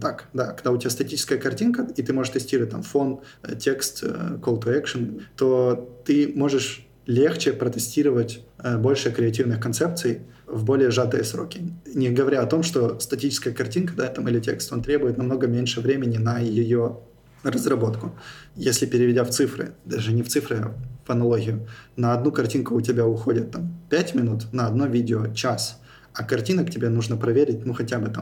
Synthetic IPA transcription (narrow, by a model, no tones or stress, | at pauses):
t̪akd̪akɐɡ̚d̪aʊtʲɪbʲast̪ɐtʲit͡ɕɪ̥skəjəkɐrtʲinkəit̪ɨmo̞ʐɨʂt̪ɨsʲtʲiɾəvət̚ʲt̪a̰mfo̞n | tʲe̞kst̪kolˠt̪ʊɛkʂɨnt̪o̞t̪ɨmo̞ʐɨʂ | lʲext͡ɕɪpɾət̪ɨsʲtʲiɾəvətʲbo̞lʲʂɨkɾʲɪɐtʲivnɨxkɐnt̪sɛp̚t̪sɨjvbo̞lʲɪjəʐat̪ɨjəsɾo̞̰kʲɪnʲɪɡəvɐɾʲaɐt̪o̞mʂt̪ost̪ɐtʲit͡ɕɪ̥skəjəkɐrtʲinkəd̪at̪ɐmɪlʲɪtʲe̞̰kst̪o̞nt̪ɾʲebʊjɪt̪nɐmno̞ɡəmʲenʲʂɨvɾʲemʲɪnʲɪnəjɪjo | rəzrɐbo̞t̪kʊjesʲlʲɪpʲɪɾʲɪvʲɪdʲaft̪sɨfɾɨ̰d̪aʐɨnʲɪft̪sɨfɾɨvɐnɐlˠoɣʲɪjʊnəɐd̪nukɐrtʲinkʊːtʲɪbʲaʊxo̞dʲɪt̪ːampʲætʲmʲɪnut̪nəɐd̪no̞vʲidʲɪot͡ɕas | ɐkɐrtʲinəktʲɪbʲe̞nuʐnəpɾɐvʲeɾʲɪt̚ʲnuxɐtʲabɨt̪a